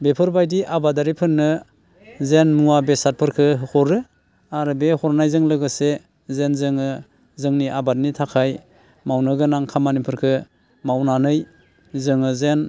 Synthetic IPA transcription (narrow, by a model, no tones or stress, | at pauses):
bepʰɯɾbajdiʔabadaɾipʰɯnːɯ | zenmuabesat̚pʰɯɾkʰɯɦɯkʰɔɾɯ | aɾɯbehɔɾnajzɯŋlɯɡɯse | zenzɯŋɯ | zɯŋniʔabat̚nitʰakʰaj | mawnɯɡɯnaŋkʰamanipʰɯɾkʰɯ | mawnanɯj | zɯŋɯzen